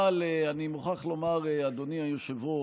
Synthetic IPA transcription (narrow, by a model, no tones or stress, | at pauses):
aleanimuχaχlo̞maʁead̪oniajoʃevo